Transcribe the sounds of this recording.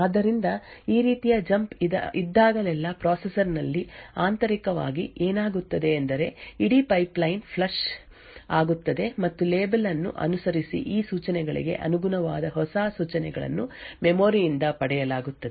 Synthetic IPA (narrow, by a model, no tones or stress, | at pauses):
aːd̪ːɐɾind̪ɐiːɾiːt̪ijɐd͡ʒɐmpid̪ɐ̰id̪ːaːɡɐlɛlːɐpɾaːsesɐɾnɐlːiaːnt̪ɐɾikɐʋa̰ːɡiʔeːnaːɡut̪ːɐd̪e̞ːnd̪ɐɾe̞iɽipɐjplɐjnpʰlɐʃ | aːɡut̪ːɐd̪e̞mɐt̪ːuleːbɐlɐnːṵʔɐ̰nusɐɾisḭʔiːsuːt͡ʃɐnɛɡɐɭḭɡe̞̰ʔɐ̰nuɡunɐʋaːd̪ɐɦɔsaːsuːt͡ʃɐnɛɡɐɭɐ̰nːumɛmoːɾijind̪ɐpɐɽɛjɐlaːɡut̪ːɐd̪e